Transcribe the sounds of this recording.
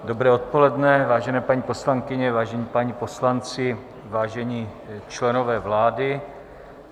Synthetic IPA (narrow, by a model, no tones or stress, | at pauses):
dobɾɛːot̪̚polɛdnɛvaːʒɛnɛːpaɲiːpo̞slaŋkɪɲɛvaːʒɛɲiːpaɲiːposlant͡sɪ | vaːʒɛɲiːt͡ʃlɛnovɛːvlaːdɪ